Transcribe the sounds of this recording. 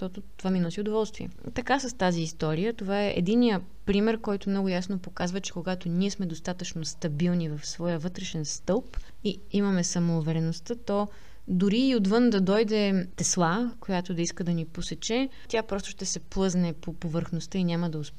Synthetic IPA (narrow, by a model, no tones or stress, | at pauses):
ʃt̪ɔt̪ʊt̪ovaminɔsiod̪ovɔlˠst̪viɛ̰ | t̪ɐkasɐst̪aziːst̪ɔɾijət̪ovaɛʔɛ̰d̪inːijə | pɾimɛɾkɔjt̪ʊmnɔɡʊjasnopokazvət͡ʃɛ̥koɡat̪ʊniɛsmɛd̪ost̪at̪ət͡ʃnost̪ɐbilˠnivɐfsvɔjəvɤt̪ɾɛʃɛnst̪ɤlˠp | i | imɐmɛsɐmoːvɛɾɛnost̪ət̪ɔ | d̪ʊɾiːod̪vɤnd̪ɐd̪ɔjd̪ɛt̪ɛslˠakojat̪od̪ɐiskəd̪ɐniposɛt͡ʃɛ | t̪ʲjapɾɔst̪ʊ̥ʃt̪ɛsɛplˠɤznɛpopovəɾxnost̪əinʲaməd̪ɐʊs